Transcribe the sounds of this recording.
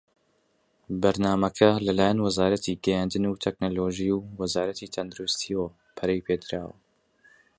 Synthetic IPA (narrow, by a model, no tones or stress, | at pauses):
bɐɾnaːmɐkʰɐlɐlaːjanwɐzaːɾɐt̪ʰiːɡɛjaːnd̪ɨnut̪ʰɛk̚noːloʒiuwɐzaːɾɐt̪it̪ʰɐnd̪ɨɾust̪ʰiwɐ | pʰɐɾejpʰeːd̪ɾa̰ːwɐ̰